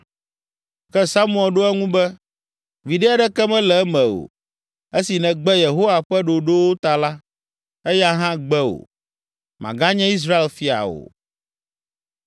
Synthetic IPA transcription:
kɛ˦sa˦mũ˦ɛ˨lɖo˦ɛ˦ŋũ˦bɛ˦ | vi˨ɖɛ˦a˦ɖɛ˦kɛ˦mɛ̃˦lɛ˨ɛ˦mɛ̃˨o̰˨ | e˦si˨nɛ̃˨ɡ͡bɛ˦je˨ɦo˦wa˨ɸɛ˦ɖo˨ɖo˦wo˦t̪a˨la˦ | e˦ja˦ɦã˦ɡ͡bɛ˦o̰˨ | mã̰˨ɡa˦ɲɛ̃˦i˦s̬ɾa˦e˦˨lfi˦a̰˨o̰˨

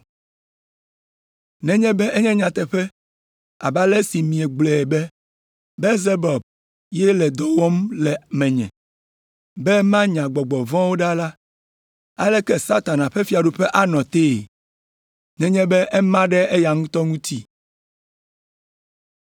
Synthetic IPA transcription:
nɛ̃˨ɲɛ̃˦bɛ˦ɛ˦ɲɛ̃˦ɲã˨t̪ɛ˨ɸɛ˦ | a̰˨ba˦le˦si˨mĩ˨ɛ˨ɡ͡blɛ˨ɛ˨bɛ˦ | bɛ˦ze˦bɔ˨b̚ | jɛ˦lɛ˨d̪ɔ˨wɔ˦mlɛ˨mɛ̃˨ɲɛ̰̃˨ | bɛ˦mã˦ɲã˨ɡ͡bɔ˨ɡ͡bɔ˨vɔ̃˦wo˦ɖa˦la˦ | a̰˦lɛ˦kɛ˦sa˦t̪a˨nã˨ɸɛ˦fi˦a˨ɖu˦ɸɛ˦ʔa˦nɔ̃˨t̪e˦˨ | nɛ̃˨ɲɛ̃˦bɛ˦ʔɛ˦mã˦ɖɛ˦e˦ja˨ŋũ˦t̪ɔ˦ŋũ˦t̪i˦

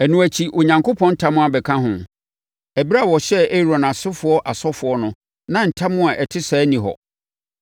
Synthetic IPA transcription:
æ˨nũ˨æ˨t͡ɕʰi˨ʔo˨ɲã˨ŋko˦pʰɔ̃˦n̩˦tʰã˦mʊ̃˦a˨bɛ˨kʰã˦ɦʊ̃˨ | æ˨bi˦ɾa˦˨wɔ˨ɕɛ˦e˦ɾõ˨nã˨sʊ˦fʊ˨ɔ˦ʔa˨sɔ˦fʊ˨˦ɔ˦nʊ̃˨ | nã˦n̩˨tʰa˦mʊ̃˦a˨ʔɛ˨tʰɪ˦sɛː˨˦nĩ˨ɦɔ̰˨

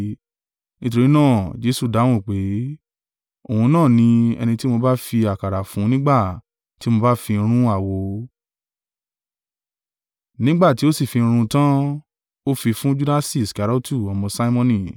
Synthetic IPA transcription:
nĩ˦t̬o˧ɾi˨˦nãː˦˨d͡ʒe˦su˦˨da˨˦w̃ũ˦˨k͡pe˨˦ | o˨hũ˧nãː˦˨nĩ˧ɛ̰˧nĩ˧ti˦mo˧ba˦fi˧a˨ka˨ɾa˨fũ˨˦nĩ˦ɡ͡ba˦˨ | ti˨˦mo˧ba˦fi˧ɾ̃ũ˦a˦˨wo˨˦ | nĩ˦ɡ͡ba˦˨ti˨˦o˦si˦˨fĩ˧ɾ̃ũ˧tã˦ | o˦fi˧fũ˦d͡ʒu˦da˦si˦˨ska˨ɾɔ˦tu˦˨ɔ˧mɔ̃˧sa˦i˦mɔ̃˧nĩ˦˨

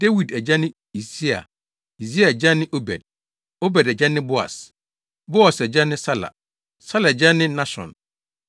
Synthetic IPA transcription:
d̥e˦wi˨dɛ˨d͡ʑa˦nɪ̃˦ | i˨si˦a̰˨ | i˨si˦a˨ɛ˨d͡ʑa˦nɪ̃˦ʔo˦bɛ̰˨d̚ | o˦bɛ˨dɛ˨d͡ʑa˦nɪ̃˦bʊ˦a̰˨s | bo˦a˨sɛ˨d͡ʑa˦nɪ̃˦sa˦la̰˨ | sa˦la˨ɛ˨d͡ʑa˦nɪ̃˦nã˦ɕɔ̰̃˨n

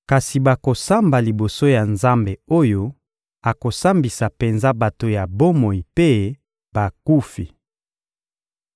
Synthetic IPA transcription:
ka˨si˨ba˨ko˨sa˦mba˨li˨bo˨so˦ja˨nza˦mbe˨o˦jo˦ | a˨ko˨sa˦mbi˨sa˨pe˨nza˦ba˨to˨ja˨bo˦mo˨i˨pe˦ | ba˨ku˦fi˨

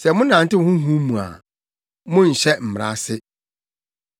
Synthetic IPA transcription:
sɛ˨mʊ̃˦nã˨n˨tɪ˦hʊ̃˦ɦũ˦mũ˨a̰˨ | mʊ̃˦n̩˨ɕɛ˦m̩˨m˨ɾa̰˦sɪ˦

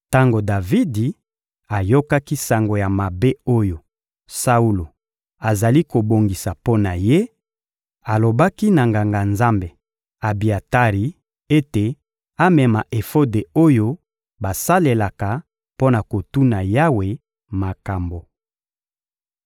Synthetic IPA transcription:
ta˦ŋɡo˨da˨vi˦di˨ | a˨jo˦ka˦ki˦sa˨ŋɡo˨ja˨ma˨be˦o˦jo˨ | sa˦u˦lo˨ | a˨za˨li˦ko˨bo˨ŋɡi˨sa˨po˦na˨je˦ | a˨lo˨ba˦ki˦na˨ŋɡa˨ŋɡa˨nza˦mbe˨ | a˨bi˨a˨ta˦ʁi˨ | e˦te˨ | a˦mɛ˨ma˨ʔe˨fo˦de˨o˦jo˦ | ba˨sa˦le˨la˨ka˨ | po˦na˨ko˨tu˦na˨ja˦we˨ | ma˨ka˨mbo˨

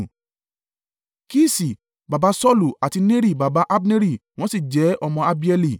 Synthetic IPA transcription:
ki˦si˨ | ba˨ba˨˦sɔ˦lu˨a˨ti˧nẽ˦ɾi˦˨ba˨ba˨˦ʔa˦bne˦ɾi˦˨w̃ɔ̃˦si˦˨d͡ʒɛ˨˦ɔ˧mɔ̃˧a˧bi˦ɛ˧li˦˨

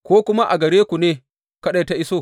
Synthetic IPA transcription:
kʷoː˦kʷʊ˦ma˦ʔa̰˨ɡɐ˨ɽeː˦kʷu˨neː˦ | kɐ˦ɗa˨jta˦ʔɪ˦soː˦˨

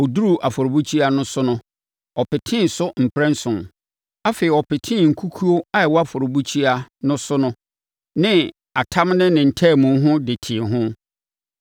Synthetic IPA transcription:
ɔ˨du˦ɾu˨ʔa˨fɔ˨ɾo˨bu˦t͡ɕʰi˦a˦nʊ̃˦sʊ˦nʊ̃˦ | ɔ˨pɪ˨tʰɪ̃˦n̩˨sʊ˦m̩˨pʰɾɛ̃˦n̩˦sʊ̃˨n | a˦feː˨i˨ɔ˨pɪ˨tʰɪ̃˦˨ŋ̩˨kʰu˦kʰu˦o˦a˦ɛ˨wɔ˦a˦fɔ˨ɾo˨bu˦t͡ɕʰi˦a˦nʊ̃˦sʊ˦nʊ̃˦ | nɪ̃˦ | a˨tʰã˦mnɪ̃˦nɪ̃˨n̩˨tʰɛː˦˨mũ˨˦ɦʊ̃˦dɪ˨tʰɪ˨ɦʊ̃˦

